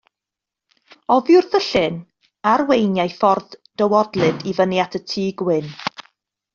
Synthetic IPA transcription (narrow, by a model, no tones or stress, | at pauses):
ɔvjʊrðəɬɨn | arwejnjajfɔrðd̥əwɔdlˠɨdivənjatʰətʰiːɡwɪn